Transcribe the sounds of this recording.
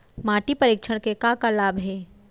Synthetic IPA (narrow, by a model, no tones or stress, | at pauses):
maːʈipɐɾɪːkʃʰəɽ̃kekakalaːbɦɛː